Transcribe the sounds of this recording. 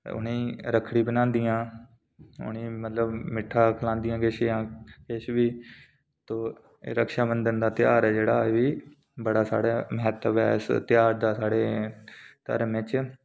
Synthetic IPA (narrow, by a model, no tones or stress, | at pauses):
ʊ̰nĩːɾəkʰɽiːbənãːnd̪ɪjãː | ʊ̰nĩːmət̪ləbmɪʈʰːãːkʰəlãːnd̪ɪjãːkɪʃãːkɪʃʋiː | t̪oː | ḛːɾəkʃaːbənd̪ənd̪aːt̪ɪjaːɾɛːd͡ʒeːɽaːeʋiː | bəɽaːsa̰ːɽeːməɦɛt̪əʋɛ̰ːɪst̪jaːɾd̪aːsaːɽeː | t̪ə̰ɾmẽt͡ʃ